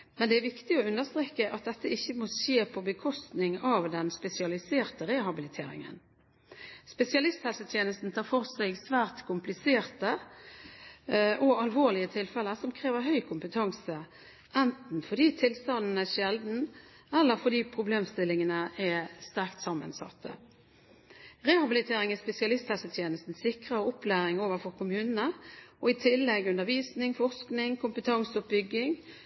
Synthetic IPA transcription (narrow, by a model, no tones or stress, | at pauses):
mɛnd̪ɛæɾʋɪkt̪ɪɔʉnd̪əst̪ʁeːkːəʔɑt̪̚d̪ɛt̪ːəɪçːəmɔʃeːpʰɔbəkʰɔst̪nɪŋɑʋd̪ɛnspɛsɪɑlɪseːʁt̪əɾeːɦɑbɪlɪt̪ʰeːɾɪ̰ŋə̰n | spɛsɪɑlɪst̪hɛlsət̪ʰjeːnəst̪n̩t̪ʰɑːɾfɔʁsɛɪɡsʋæːʁt̪kʰʊmplɪseːʁt̪ə | ʔɔɑlʋoːʁlɪət̪ʰɪlfɛləsɔmkʰɾeːʋəɾɦœʏkʰʊmpət̪ʰɑŋsə | ʔɛnt̪n̩fɔd̪iːt̪ʰɪlst̪ɑnn̩æʂɛld̪n̩ | ɛlːəɾfɔd̪iːpʰʁʊbleːmst̪ɪlɪŋənəʔɛst̪æʁkt̪sɑmːə̰nsɑ̰t̪ʰːə̰ | ʁɛːhɑbɪlɪt̪ʰeːɾɪŋɛspɛsɪɑlɪst̪hɛsət̪ʰjeːnəst̪n̩sɪkʁəʊplæːɾɪŋoːʋəʁfɔʁkʰʊmʉːnənəɔɪt̪ʰɪlːɛɡʉnd̪əʁʋiːsnɪŋfɔʁsknɪŋkʰʊmpət̪ʰɑŋsɔbʏɡːɪŋ